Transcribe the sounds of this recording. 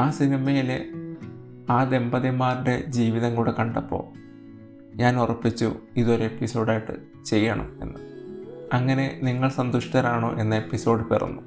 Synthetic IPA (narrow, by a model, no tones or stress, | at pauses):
aːsinimɐjile | aːd̪e̞mbɐðijmaːɾuɽe̞d͡ʑiːʋiðɐŋkuːɽekɐɳɖɐpːo̞̰ː | ɲaːnurɐpːit͡ɕːṵiðo̞ɾue̞pːiso̞ːɽaːjiʈːɨ̰ | t͡ɕe̞jːɐɳɐ̰me̞̰nːɨɐŋːɐne̞niŋːɐɭsɐnd̪uʂit̪ɐɾaːɳo̰ːʔe̞nːɐepːiso̞ːɖɨperɐ̰nːu